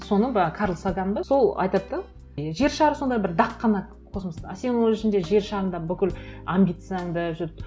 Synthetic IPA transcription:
so̞nəbɑkʰɑɾlˠsaɡɑnbɑso̞lˠɑ̰jt̪ɑt̪ːə | ʒe̞ɾʃɑɾəso̞nd̪ɑjbɪɾd̪ɑqːɑnɑ | qʰo̞səməst̪ɑse̞nwo̞lˠɪʃɪnd̪e̞ʒe̞ɾʃɑɾənd̪ɑbʏkʲɪlambʲijt̪saŋd̪əʒɪt̪

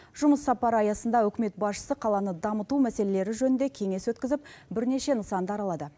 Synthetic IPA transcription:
ʒʊməsːɑpɑɾəɑjɑsənd̪ɑɵkʲɪme̞t̪̚bɑsʃə̥səqʰɑlˠɑnəd̪ɑmət̪umæsele̞le̞ɾɪʒɵnɪnd̪e̞kʲʰe̞ŋe̞swɵt̪kʲɪzɪp̚bɪɾne̞ʃe̞nəsɑnd̪əɑɾɑlˠɑd̪ə

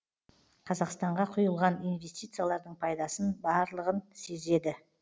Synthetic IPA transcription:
qʰɑzɑqst̪ɑɴʁɑqʰʊjəlˠʁɑnijnvʲe̞sʲt̪ʲijt̪sɨjalˠɑɾd̪əɴpʰɑjd̪ɑsənbɑɾlˠəʁənse̞ze̞d̪ɪ

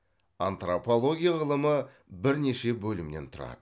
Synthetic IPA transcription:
ant̪ropo̞lˠo̞ɡʲijaʁəlˠəmə | bɪɾne̞ʃe̞bɵlɪmne̞nt̪ʰʊɾɑ̰d̪ə

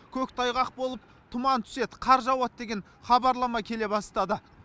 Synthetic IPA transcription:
kʲʰɵkt̪ʰɑjʁɑq̚bo̞lˠəp̚ | t̪ʰʊmɑnt̪ʰʏ̥se̞d̪əqʰɑɾʒɑwɑt̪̚d̪e̞ɡʲe̞n | χɑbɑɾlˠɑmɑkʲʰe̞le̞bɑst̪ɑd̪ə

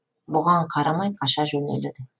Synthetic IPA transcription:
bʊʁɑɴqʰɑɾɑmɑjqʰɑʃɑʒɵneled̪ɪ

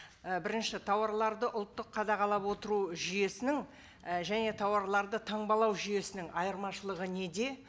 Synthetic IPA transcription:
bɪɾɪnʃɪt̪ʰɑwɑɾlˠɑɾd̪əʔʊlˠt̪ːəqʰːɑd̪ɑʁɑlˠɑpwo̞t̪əɾuʒʏje̞sɪnɪŋ | ʒæne̞t̪ʰɑwɑɾlˠɑɾd̪ət̪ʰɑɴbɑlˠɑwʒʏje̞sɪnɪŋɑjəɾmɑʃəlˠəʁəne̞d̪e̞

